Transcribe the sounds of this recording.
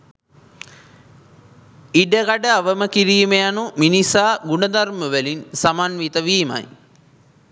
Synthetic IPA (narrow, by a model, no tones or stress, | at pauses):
iɖəɡaɖəaʋəməkiɾiːmejanuminisaːɡuɳəd̪arməʋəlinsamanʋit̪əʋiːma̰j